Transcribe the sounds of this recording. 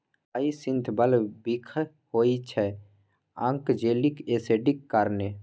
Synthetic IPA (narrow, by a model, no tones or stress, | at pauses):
aisɪ̃nt̪ʰbəlbikʰ | hoːit͡ʃʰɛ | ãŋkd͡ʒeːlikeːseɖikːaɾneː